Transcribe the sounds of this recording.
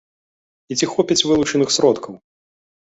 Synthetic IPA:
it͡sʲixɔpʲɐt͡sʲvɨlˠut͡ʂɐnɨxsɾɔt̪kɐw

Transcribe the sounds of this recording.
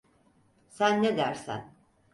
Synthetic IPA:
sænːɛd̪æɾsæ̰n

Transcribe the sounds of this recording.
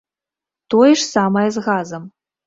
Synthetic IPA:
t̪ojʂsamɐjɛzɣazɐm

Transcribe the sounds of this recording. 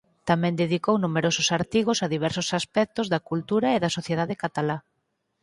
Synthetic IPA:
t̪amɛ̃nd̪eðikownumeɾosʊsaɾt̪iɣ̞osaðiβ̞ɛɾsʊsaspɛk̚t̪ozðakult̪uɾaeðɐsoθjeðaðɪkat̪ala

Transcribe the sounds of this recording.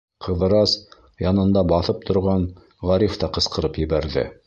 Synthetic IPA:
qʰɤ̆ð̆ɾɑs | jɑnɤ̆nd̪ɑbɑθɤp̚t̪ʰŏɾʁɑn | ʁɑɾift̪ɑqɤ̆sqɤ̆ɾɤpjɘ̆βæɾðɘ̰

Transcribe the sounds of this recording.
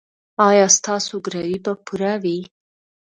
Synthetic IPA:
ɑjɑst̪ɑsoɡɾawibapʰuɾawi

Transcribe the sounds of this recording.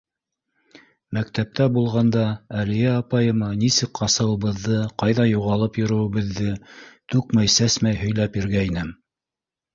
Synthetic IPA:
mæk̚t̪æp̚t̪ʰæbulˠʁɑnd̪ɑælijæɑpɑjɤ̆mɑnisɘkqɑsɤ̆wɤ̆βɤ̆ðːɤqɑjðɑjuʁɑlˠɤpjŏɾɵ̆wɘ̆βɘ̆ðːɘt̪ʉkmæjsæsmæjhɵ̆jlæpjĭɾɡæinɘm

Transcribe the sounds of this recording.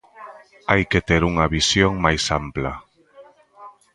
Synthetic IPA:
ajket̪eɾuŋɐβisjoŋmajsampla

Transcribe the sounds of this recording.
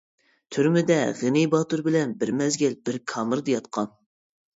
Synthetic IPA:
t̪ʰyɾmɪd̪ɛʁɨnɪjbɑt̪uɾbɪlɛnbɪɾmɛzɡʲɛlbɪɾkʰɑːmɨɾd̪ejɑt̪̚qʰɑn

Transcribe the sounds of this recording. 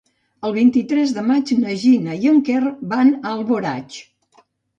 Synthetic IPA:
əlˠβ̞int̪it̪ɾɛzðəmad͡ʒnəʒinəjəŋkerbanəlˠβoɾa̰t͡ʃ

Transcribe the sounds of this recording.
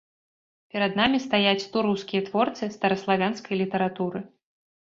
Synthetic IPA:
pʲɛɾɐd̪namʲist̪ajat͡sʲt̪uɾuwskʲijɐt̪vɔrt̪sɨst̪ɐɾɐslˠavʲanskɐjlʲit̪ɐɾat̪uɾɨ

